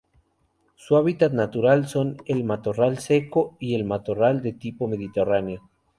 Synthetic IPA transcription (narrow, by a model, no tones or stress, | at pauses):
suaβ̞it̪at̪nat̪uɾalso̞nelmat̪o̞ralse̞ko̞ie̞lmat̪orald̪e̞t̪ipo̞me̞ð̞it̪eraneo